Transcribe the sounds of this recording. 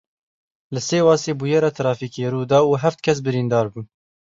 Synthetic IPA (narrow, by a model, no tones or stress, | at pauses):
lɨseːwɑːseːbuːjɛɾɑːt̪ʰɾɑːfiːkeːɾuːd̪ɑːuːɦɛft̪̚kʰɛs̬bɨɾiːnd̪ɑːɾbuːn